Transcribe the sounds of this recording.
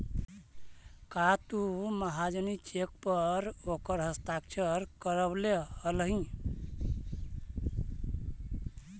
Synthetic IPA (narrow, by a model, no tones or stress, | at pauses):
kat̪uməɦad͡ʒənit͡ʃek̚pəɾokəɾɦəst̪ak̚t͡ʃʰəɾkəɾəbleəlɦĩ